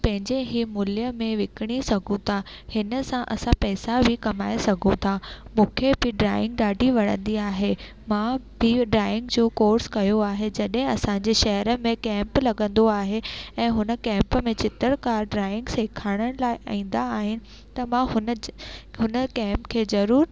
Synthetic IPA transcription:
pɐ̃ɦɪ̃ɲd͡ʑeɦimʊlijəmẽʋɪkɪɽ̃isɐɡʱũt̪ʰahɪnəsãʔɐsãpɛːsabʱɪkɐmaːesɐɡʱũt̪ʰamũːkʰebʱɪɖɾaːɪ̃ŋɡ̚ɗaːɖʱiʋɐɽ̤ə̰̃nd̪iaːɦe | mãbɪɖɾaːɪɪ̃ŋɡd͡ʑoːkoːɾskɐjoaːɦed͡ʑɐɗɦɪ̃ɐsãɲd͡ʑeʃɐɦəɾəmẽkɛ̃ːmplɐɡə̃nd̪oaːɦeɛ̃ːɦʊnə̆kɛ̃ːmpəmẽt͡ɕɪt̪əɾkaːɾɖɾaːɪ̃ŋɡsɪkʰaːɽ̃əɽ̃laːɪʔa̰ĩːnd̪aːɦɪnɪ̆ | t̪ɐmãɦʊnɦʊnəkɛ̃ːmpkʰeːzɐɾuːɾ

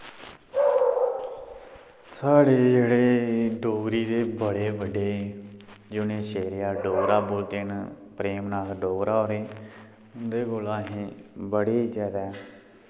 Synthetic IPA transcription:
saːɽeːd͡ʒeːɽeːɖoːɡɾiːd̪eːbəɽeːbəɖeː | d͡ʒʊnẽːʃeːɾeaːɖoːɡɾaːboːlt̪eːnpɾeːmnaːt̪ɖoːɡɾaːoːɾeː | ʊnd̪eːkoːlãːɦẽːbəɽeːid͡ʒaːd̪aɛ

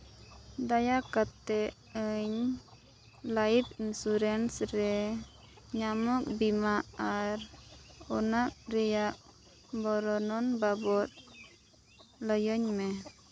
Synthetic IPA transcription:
d̪ajakat̪ɛ | əɲ | laibinsuɾɛnsɾɛ | ɲamɔk̚bimaaɾɔnak̚ɾijak̚ | bɔɾɔnɔnbabɔt̪̚ | lɔjɔɲmɛ

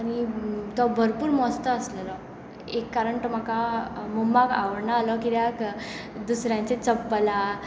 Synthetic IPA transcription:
añit̪ɔbʱəɾpuːɾmɔst̪əəsləlɔ | ekːaɾəɳʈɔm̤akamumbaka̰ʋəɾɳaːlɔkiɾjakd̪usɾjãɲt͡ɕet͡səpːəla

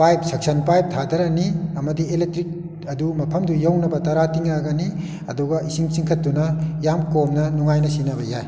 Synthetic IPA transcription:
pajp̚sɐk̚sɐnpajp̚tʰadɐɾɐniɐmɐdielek̚tɾik̚ | ɐdumɐpʰɐmdujɐwnɐbɐtɐɾatiŋaɡɐni | ɐ̰duɡɐʔisiŋsiŋkʰɐt̚ːunɐjamkomnɐnuŋajnɐsinɐbɐjaj

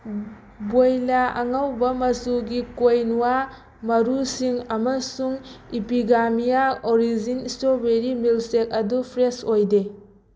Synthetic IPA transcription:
bojlaɐ̰ŋawbɐmɐsuɡikojnuwa | mɐɾusiŋɐmɐsuŋipiɡamijaoɾizinistobeɾimilsek̚ɐdupʰɾesojde

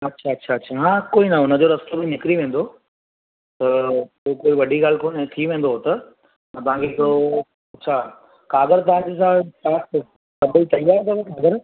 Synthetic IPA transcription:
ɐtːɕʰaɐtːɕʰaɐːɕʰaɦãːkoːinɐʊnəd͡ʑoːɾɐst̪obʱinɪkɾiʋẽːn̆d̪o | t̪ɐpokoːiʋɐɖʱiɡaːlkoːnt̪ʰiʋẽːn̆d̪oɦt̪ɐ | ɐt̪ɐɦãkʰeɪkɽo | ɐtːt͡ɕʰaː | kaːɡəɾt̪ɐʋ̤ãːɲd͡ʑes̬ãsaːs | sɐbʱit̪ɐjʋaːɾt̪ʰɐbɐkaːɡəɾ

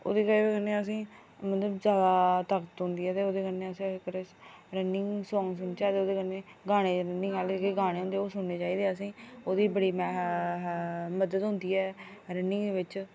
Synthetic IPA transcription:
o̰ːd̪iːkəekənːeːəs̬ĩː | mət̪ləbzjaːd̪aːt̪əkt̪ɦʊ̃nd̪iːɦɛːt̪eːoːd̪eːkənːeːəsĩːkəɾesɾənɪŋsɔ̃ːŋs̬ʊneːt͡ʃaːiːd̪eːoːd̪eːkənẽː | ɡaːɽ̃eːɾənɪ̃ŋɛːlkeːɡaːɽẽːɦʊ̃nd̪eːoːsʊɳneːt͡ʃaːiːd̪eːəs̬ĩːoːd̪iːbəɽiːmɛː | məd̪əd̪ɦʊ̃nd̪iːɛːɾənɪŋɡd̪eːʋɪt͡ʃ

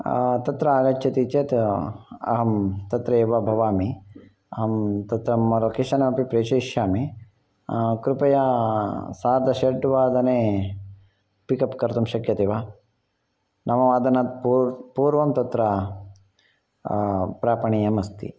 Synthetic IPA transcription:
t̪ɐt̪ɾɐaːɡɐt͡ʃːɐt̪it͡ʃeːt̪ | ɐ̰ɦɐmt̪ɐt̪ɾɐeʋɐbʱɐʋaːmi | ɐɦɐmt̪ɐt̪ɾɐmːɐɾɐkiʃɐnɐmɐpipɾeːt͡ʃɐʃjaːmi | kɾupɐja | saːɾd̪ɐʃeɾʈʋaːd̪ɐneː | pikɐpkɐɾt̪umʃɐkjɐt̪iʋaː | nɐmɐʋaːd̪ɐnɐpupuːɾʋɐmt̪ɐt̪ɾɐ | pɾaːpɐɳijɐmɐst̪ḭ

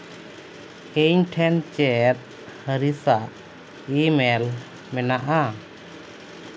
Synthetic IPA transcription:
eɲʈʰɛnt͡ʃɛt̪̚ | həɾisaʔ | imɛl | mɛnaʔa

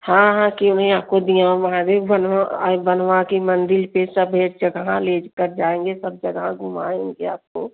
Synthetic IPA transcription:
hãɦãkiʊnɦẽaːp̚kod̪ijãõɦãd̪ebənʋa̰bənʋakimə̃nd̪ɪlpesəbɦeːʈd͡ʒəɡɦãleːd͡ʒkəɾd͡ʒaːẽːŋɡesəb̚d͡ʒəɡãɡʱʊma̰ːẽŋɡea̰ːp̚ko

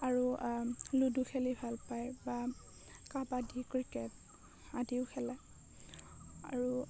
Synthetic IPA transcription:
aɹuluduxʰɛlibʱalpajba | kabadikɹikɛt̚ | adiʊkʰɛlɛ | a̰ɹu

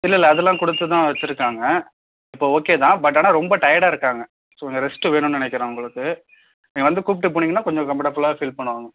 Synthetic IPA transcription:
ɪlːɪlːɐːðɛlːãːkɔɽɯt̪ːɯt̪ãːʋɐt͡ʃːɪɾɯkːaːŋɡɐ | ɪpːoːoːkːeːt̪ãːbɐʈ̬ːaːnaːɾɔmbɐʈɐjɐɽaːɪɾɯkːaːŋɡɐ | soːkɔɲɡɐɾɛsʈːɯʋeːnʊ̃nnɪnɛkːɪɾãːʊŋɡɐɭɯkːɯ | nĩːŋɡɐʋɐnd̪ɯkuːp̬ɪʈːɯp̬oːɳːiːŋɐnːaːkɔɲd͡ʒɔ̃kɐmɐʈɐpːɯlaːfiːlpɐɳːɯʋaːŋɡɐ

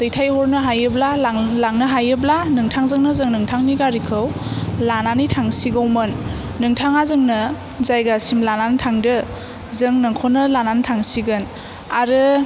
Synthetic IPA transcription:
zɯjtʰajhɔɾnɯɦajɯblallaŋnɯɦajɯblanɯŋtʰaŋzɯŋnɯzɯŋnɯŋtʰaŋniɡaɾikʰɯwlananitʰaŋsiɡawmɯnː | ɯŋtʰaŋazɯŋnɯ | zajɡasimlanantʰaŋdɯ | zɯŋnɯŋkʰonɯlanantʰaŋsiɡɯn | aɾɯ

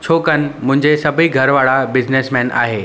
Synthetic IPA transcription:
t͡ɕʰoːkənɪ̆mʊ̃ɦɪ̃ɲd͡ʑesɐbʱiɡʱɐɾʋaːɭabɪd͡ʑneːsmɛ̃ːna̰ːɦeː

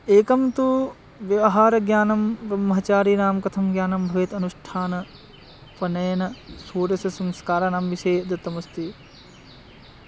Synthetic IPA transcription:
eːkɐmt̪u | ʋjɐʋɐɦaːɾɐɡjaːnɐmbɾɐmɐɦɐt͡ʃaːɾiːnaːmkɐt̪ʰɐmɡjaːnɐmbʱɐʋɐt̪ɐnuʂʈʰaːnɐ | pɐnɐjɐnɐsuːɾɐsɐsɐmskaːɾaːnaːmʋiʃeːd̪ɐt̪ːɐmɐst̪i

